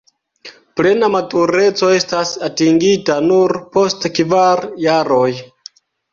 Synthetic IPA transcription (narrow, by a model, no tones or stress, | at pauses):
ple̞namatuɾe̞t͡so̞e̞stasatiŋɡitanuɾpo̞stkvaɾjaɾo̞j